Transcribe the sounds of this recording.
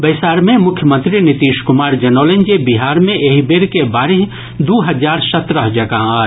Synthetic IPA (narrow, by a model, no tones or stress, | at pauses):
bɐɪsaːɾmẽmʊkʰjəmə̃nt̪ɾinɪt̪iːʃkʊmaːɾd͡ʒɐnoːlẽnd͡ʒebiɦaːɾmẽʔeːɦibeɾkebaːɾiɦ | d̪uːɦɐzaːɾsɐt̪ɾəɦd͡ʒɐɡaaː